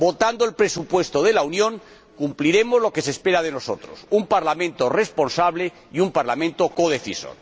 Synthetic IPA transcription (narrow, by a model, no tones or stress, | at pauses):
bo̞t̪and̪oelpɾesupwe̞st̪oðe̞launjõ̞ŋ | kumpliɾe̞mozlo̞ke̞sespe̞ɾað̞e̞no̞sot̪ɾo̰sumpaɾlamẽnt̪ore̞spo̞nsaβ̞le̞ | iumpaɾlamẽnt̪o̞ko̞ð̞e̞θiso̰n